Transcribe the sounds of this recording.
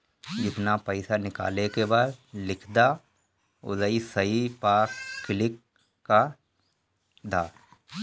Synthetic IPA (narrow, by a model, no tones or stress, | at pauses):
d͡ʒɪt̪napəɪsanɪka̰ːlekebaːd̪lɪkʰd̪a | ʊ̰ləisəipaːkːɪlɪkː | a | d̪aː